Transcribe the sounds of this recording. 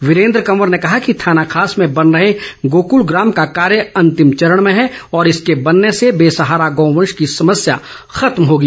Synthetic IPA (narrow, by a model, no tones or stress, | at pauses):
ʋɪɾẽːnd̪ɾəkɐməɾnekɐɦakit̪ʰaːnakʰaːsmẽbɐnɾɐɦeɡoːkulɡɾaːmkakaːɾjəɐ̃nt̪ɪmt͡ʃɐɾəɽ̃mẽɦɛɔːɾɪskebɐnːesebeːsɐɦaːɾaɡɔ̃ːʋə̃nʃkisɐməsja | xɐt̪mɦoːɡiː